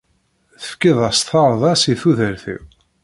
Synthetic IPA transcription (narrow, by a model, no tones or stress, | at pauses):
θə̥fkiðˤɑsθɑɾˤðˤɑsiθuðəɾθḭ